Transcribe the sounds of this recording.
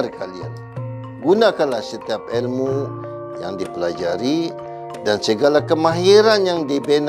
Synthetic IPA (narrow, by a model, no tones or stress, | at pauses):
rkalia̰n | ɡunakanlahsət̪iap̚ɛlmu | jaŋdipəlad͡ʒaɾi | dansəɡalakəmaɦiɾanjaŋdibən